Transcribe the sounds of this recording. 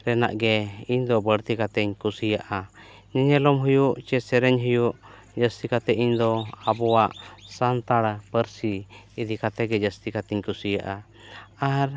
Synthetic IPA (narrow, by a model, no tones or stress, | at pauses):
ɾɛna̰ʔɡɛiɲd̪ɔbəɽt̪ikat̪ɛɲkusijaʔa | ɲɛɲɛlɔmɦujuʔt͡ʃɛsɛɾɛɲɦujuʔ | d͡ʒəst̪ikat̪ɛʔiɲd̪ɔabɔwaʔsant̪aɽpəɾsiid̪ikat̪ɛɡɛd͡ʒəst̪ikat̪ɛɲkusijaʔa | aɾ